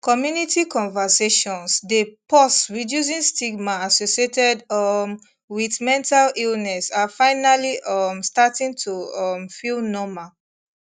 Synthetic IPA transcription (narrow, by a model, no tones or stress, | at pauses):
kɔmjunitikɔ̃nvaseʃɔ̃nsdepɔstɹidjus̬ĩnstiɡ̚maasosietɛdɔm | wiθmɛ̃ntalilnɛsafaɪnaliʔɔmstatĩŋtʰuɔmfilnɔma